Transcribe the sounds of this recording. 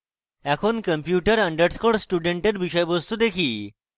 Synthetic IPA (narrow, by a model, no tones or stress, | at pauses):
ɛkʰonkəmpjuʈəɾəɳɖəɽskoɽsʈuɖeɳʈəɾbiɕəjbəst̪ud̪ekʰiː